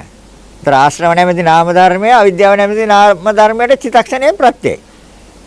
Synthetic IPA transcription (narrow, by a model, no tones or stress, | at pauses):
t̪ɐɾaːʃɾɐʋɐɳɐjmɐd̪inaːmɐd̪ʱaɾmijɐɐʋid̪jaːʋɐɳɐjmɐd̪inaːmɐd̪ʱɐɾmjɐʈet͡ʃʰit̪ɐkʂɐneːmpɾɐt̪jḛ